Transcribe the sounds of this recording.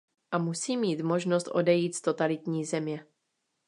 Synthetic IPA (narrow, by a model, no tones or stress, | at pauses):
ʔamusiːmiːt̪moʒnost̪ʔo̞̰dɛjiːt̪st̪o̞t̪alɪt̪ɲiːzɛmɲɛ